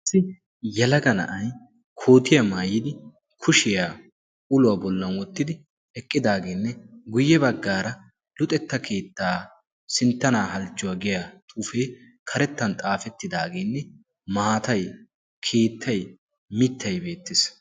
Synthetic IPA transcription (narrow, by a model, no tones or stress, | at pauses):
ɐsːɪ | jɛlɐɡɐnɐ̰ʔɐj | kʰoːt̪ɪjɐmaːjːɪd̪ɪ | kʰʊʃɪjaː | ʔʊlʊwaːbɔlːɐnwɔt̪ːɪd̪ɪ | ɛkʼːɪd̪aːɡeːnːɛɡʊjːɛbɐɡːaːɾɐ | lʊt̪ʼɛt̪ːɐkʰe̞ːt̪ːaː | sɪnt̪ːɐnaːɦɐlt͡ʃːʊwaɡɪjat̪ʼuːfeː | kʰɐɾɛt̪ːɐnt̪ʼaːfɛt̪ːɪd̪aːɡeːnːɛ | maːt̪ɐj | kʰe̞ːt̪ʰːɐj | mɪt̪ːɐjbe̞ːt̪ːɪs